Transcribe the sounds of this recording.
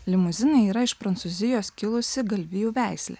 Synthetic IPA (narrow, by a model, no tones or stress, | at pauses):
lʲɪmʊzʲɪnɐɪiːɾɐɪʃpɾɐnt̪suzʲɪjoːskʲɪlˠʊsʲɪɡɐlʲʋʲɪjuːʋʲæˑɪsʲlʲḛː